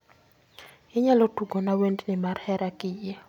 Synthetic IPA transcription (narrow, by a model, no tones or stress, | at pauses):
ɪɲalɔtuɡɔnawendnɪmarhɛɾakɪjɛ